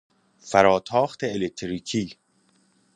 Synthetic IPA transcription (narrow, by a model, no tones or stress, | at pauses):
fæɾɒːt̪ʰɒːxt̪ʰeelek̚t̪ʰɾiːkʰiː